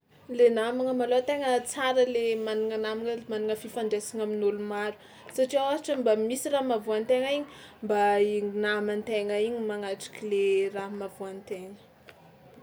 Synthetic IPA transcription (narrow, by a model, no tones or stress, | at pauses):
lenamaŋəmalot̪eŋət͡saɾəlemaniŋanamiŋəmaniŋəfifaɳɖ͡ʐesiŋaminulumaɾu̥ | saʈ͡ʂiaaɦaʈ͡ʂəmbamisiraɦmavuant̪eŋəiɲimbaiŋnamant̪eŋaiɲimaŋaʈ͡ʂi̥kileraɦmavuant̪eŋə̥